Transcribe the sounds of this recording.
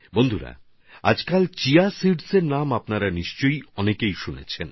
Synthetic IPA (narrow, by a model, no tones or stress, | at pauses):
bond̪ʱuɾa̰ | a̰d͡ʑkalt͡ɕiasiɖseɾnamapnaɾaniʃt͡ɕojɔnekejʃunḛt͡ɕʰen